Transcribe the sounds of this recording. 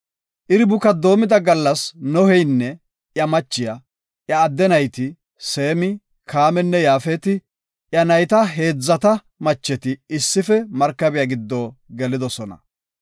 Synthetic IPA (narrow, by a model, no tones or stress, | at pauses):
ʔɪɾɪbʊkɐd̪o̞ːmɪd̪ɐɡɐlːɐsnɔhɛjnːɛ | jɐmɐt͡ʃːɪjɐ | ʔjɐːd̪ːɛnɐjt̪ɪ | se̞ːmɪ | kʰaːmɛnːɛjaːfeːt̪ɪ | ʔjɐnɐjt̪ɐɦe̞ːd͡zːɐt̪ɐ | mɐt͡ʃːɛt̪ɪɪsːɪfɛmɐɾkːɐbɪjaɡɪd̪ːoːɡɛlɪd̪ɔsɔnɐ̰